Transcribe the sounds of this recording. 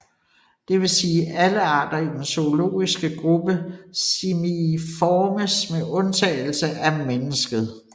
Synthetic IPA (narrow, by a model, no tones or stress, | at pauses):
d̥e̝ʋe̝siːʔæləɑ̰̈ːd̥ɐid̥enso̝olo̝̰ːisɡ̥əɡ̥ʁub̥əsimifɒːməsmeʔɔ̽nt͡sʰɛ̰ːɪl̩səʔæmenəsɡ̥əð̞̩ˠ